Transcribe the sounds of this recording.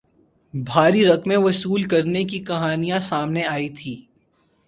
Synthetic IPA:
bʱaːɾiɾɐkmẽʋɐsuːlkɐɾnekikɐɦaːnijãsaːmneaːit̪ʰiː

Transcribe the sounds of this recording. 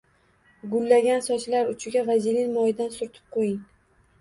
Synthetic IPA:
ɡʊlːaɡʲansɒt͡ʃʰlaɾʊt͡ʃʰɪɡʲavazilɪnmɒjɪd̪ansʊɾt̪ʰɪ̥p̚qʰojɪŋ

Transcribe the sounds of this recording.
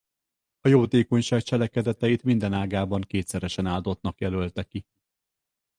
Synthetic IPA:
ɒjoːt̪eːko̞ɲʃaːk̚t͡ʃɛlɛkɛd̪ɛt̪ɛjit̪mind̪ɛnaːɡaːbɒŋkeːt̪sɛɾɛʃɛnaːld̪o̞t̪nɒkjɛlølt̪ɛki

